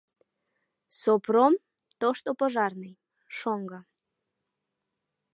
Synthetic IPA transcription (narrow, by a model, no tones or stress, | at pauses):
soprom | t̪oʃt̪opoʒɑrnɨj | ʃoŋɡɑ